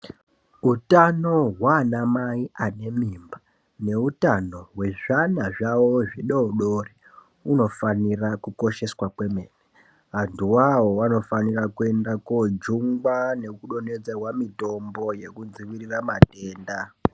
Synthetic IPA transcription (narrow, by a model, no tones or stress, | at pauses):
utano̞ɦwanamaiʔane̞mimba | ne̞utano̞ɦwe̞ʐanaʐawo̞ʐiɗouɗori | uno̞fanirakuko̞ʃe̞swakwe̞me̞ne | ɦantuwawo̞ano̞fanirakue̞ndakod͡ʒuŋɡwane̞kuɗo̞ne̞d͡zerwamito̞mbo̞je̞kud͡ziʋiriramate̞ːnda